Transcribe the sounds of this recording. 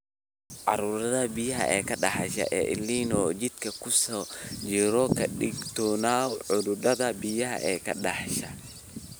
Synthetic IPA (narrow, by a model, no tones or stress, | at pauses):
ʕɑ̰ɾuːɾɐðɐbijɐɦɐ̰ʔɛːkʰɐɖɑħɑʃɐ̰ʔɛ̰ːʔɪ̰lːiːnɔːt͡ʃɪd̪kʰɐkʰʊsɔt͡ʃɪɾɔkʰɐɗɪɡt̪ʰɔːnaːʕʊðʊdɐðɐbɪjɐɦɐ̰ʔɛːkʰɐ̰ɗɑħʃɐ